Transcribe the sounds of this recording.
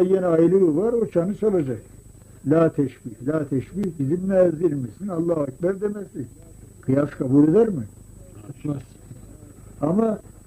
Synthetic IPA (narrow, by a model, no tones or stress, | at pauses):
ajenɛajlˠɯvaɾo̞t͡ʃʰanɯt͡ʃʰalˠad͡ʒak | lʲaːt̪ʰɛʃbiːhlʲaːt̪ʰɛʃbiːhbizimmɛziɾmisinɑlˠːaːac̚bæɾd̪emɛsin | kʰɯjaskʰabuːlʲe̞d̪æɾmi | s | ama